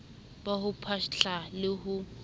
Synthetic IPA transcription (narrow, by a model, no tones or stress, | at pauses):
bahʊpʰaʃɬalɪɦʊ